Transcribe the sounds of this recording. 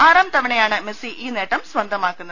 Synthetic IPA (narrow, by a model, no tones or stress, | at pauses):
aːɾaːmt̪ɐʋɐɳɐjaːɳɨmesiʔiːneʈːɐmsʋɐnd̪ʱɐmaːkːunːɐ